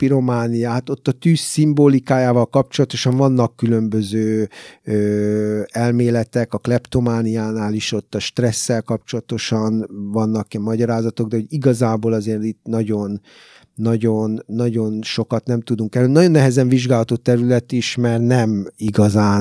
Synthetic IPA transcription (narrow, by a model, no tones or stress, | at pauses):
piɾo̞maːnijaːɦat̪o̞t̪ːɒt̪yːsːimboːlikaːjaːvɒlkɒp̚t͡ʃo̞lɒt̪o̞ʃɒɱvɒnːɒkːylø̞mbøzøːøːɛlmeːlɛt̪ɛkɒklɛpt̪o̞maːnijaːnaːliʃo̞t̪ːɒʃt̪rɛsːɛlkɒpt͡ʃo̞lɒt̪o̞ʃɒnvɒnːɒkːɛmːɒɟɒɾaːzɒt̪o̞ɡ̚d̪ɛɦo̞ɟiɡɒzaːboːlɒzeːrt̪it̪nɒɟo̞nː | ɒɟonːɒɟo̞nʃo̞kɒt̪nɛmt̪ud̪uŋkɛløninɒjo̞nːɛɦɛzɛɱviʒɡaːlɦɒt̪ot̪ɛɾylɛt̪iʃmɛrt̪nɛmiɡɒzaːn